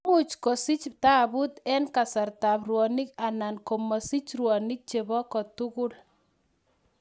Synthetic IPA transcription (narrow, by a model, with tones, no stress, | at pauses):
u˨t͡ʃkɔ˨si˦t͡ʃta˦bʊ˦t̪ɛ˦nka˨sa˨rta˨prwɔ˨ni˦ka˨na˨nkɔ˨mɔ˨si˦t͡ʃrwɔ˨nɪ˦k̚t͡ʃe˨βɔ˦kɔ˨tu˦kʊ˦l